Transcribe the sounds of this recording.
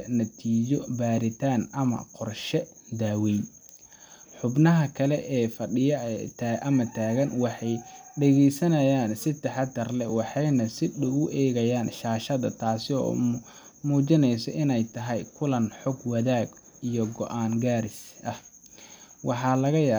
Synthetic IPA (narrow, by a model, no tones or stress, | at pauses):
nɐt̪ʰiːt͡ʃɔbaːɾɪt̪ʰaːnʔɐmɐ̰qɔrʃɛ | d̪aːwɛj | ħʊbnɐɦɐkʰɐlɛʔɛːfɐɖɪjɐt̪ʰːʔɐmɐt̪ʰaːɣɐnwɑħɑjɖɛɣɛjsɐnɐjaːnsɪt̪ɐħɑt̪ːɐrlɛwɑħɑjnɐsɪɗʊɣʊʔɛːɣɐjaːnʃaːʃɐðɐ̰t̪ʰaːsɪɔ̰ː | muːt͡ʃɪnɛjsɔʔɪnɛjt̪ʰɐɦɛjkʰʊlɐnħɔɡwɐðaːɡ | ijɔɡɔʔaːŋɡaːɾɪsʔɐh | wɑħɑːlɐɣɐjaː